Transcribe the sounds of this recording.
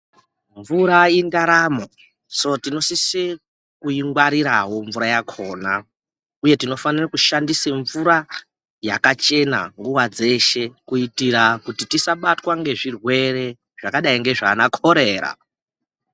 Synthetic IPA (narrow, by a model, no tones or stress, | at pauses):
ɱvuɾaindaɾaːmo | sotino̞sisi | kuiŋɡwaɾiɾaɦo̞ɱvuɾajakʰo̞ːna | uje̞tino̞fanirakuʃandiseɱvuɾa | jakat͡ʃe̞na̰ŋɡuwad͡ze̞ʃe̞kuitiɾakutitisaɓatwaŋɡe̞ʐirwe̞re̞ | ʐ̥akaɗaiŋɡe̞ʐaːnakʰo̞ɾe̞ːɾa̰